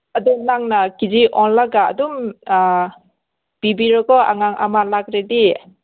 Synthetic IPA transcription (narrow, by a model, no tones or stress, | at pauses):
adumnaŋnakid͡ʒiʔɔnlaɡa̰ːdum | b̥ibiɾɔɡɔa̰ŋaŋʔa̰malaɡɾedi